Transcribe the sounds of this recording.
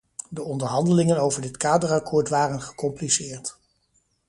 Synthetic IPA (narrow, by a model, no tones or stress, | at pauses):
dəɔndəɹɦɑndəlɪŋənowvəɹdɪtkaːdərɑkʰɔːɹtʋaːrənχə̥kɔmplisɪːɹt